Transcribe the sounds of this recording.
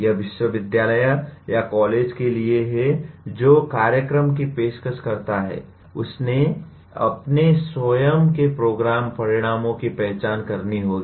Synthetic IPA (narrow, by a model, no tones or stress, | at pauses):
jɐʋɪʃwəʋɪd̪jaːləjəjakɔːleːd͡ʒkelieɦɛd͡ʒoːkaːɾjəkɾəmkipeːʃkəʃkɐɾt̪aɦɛ̰ː | ʊsne | ɐ̰pneswəjəmkepɾoːɡɾaːmpɐɾɪɽ̃aːmõkipɛɦt͡ʃaːnkɐɾniɦoːɡiː